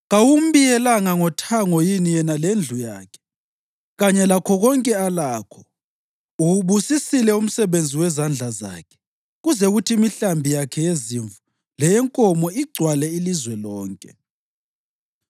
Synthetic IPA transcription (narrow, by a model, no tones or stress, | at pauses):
ɣawum̩βijɛlaŋaŋɔtʰaŋɔjinijɛnalend͡ɮʱujaːkʰɛ̥ | ɣaɲɛlakʰɔɣɔŋkʼɛalaːkʰɔ̥ | uuβusisilɛum̩sɛβend͡zʱiwɛzand͡ɮʱaza̰ːkʰɛ̥ | ɣuzɛɣutʰimiɬambʱijakʰɛjeziɱvu | lɛjɛŋkʼɔmɔiɡ͡ǀʱwalɛilizwɛlɔːŋkʼɛ